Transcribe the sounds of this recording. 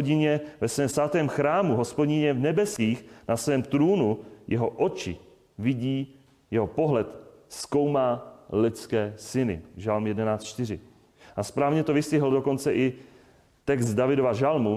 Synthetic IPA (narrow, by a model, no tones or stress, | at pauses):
ɟɪɲɛvɛsvɛːmsvat̪ɛːmxɾaːmuɦo̞spo̞ɟɪɲɛvnɛbɛskiːxnasvɛːmt̪ɾuːnujʔɛɦo̞ʔo̞t͡ʃɪ̰ | vɪɟiː | jɛɦo̞po̞ɦlɛt̪ | sko̞wmaːlɪt͡skɛːsɪnɪ̰ʒalmjɛdɛnaːt͡stt͡ʃt̪ɪr̝ɪ | ʔaspɾaːvɲɛt̪o̞vɪscɪɦl̩do̞ko̞nt͡sɛʔɪ | t̪ɛkst̪̚davɪdo̞vaʒalmu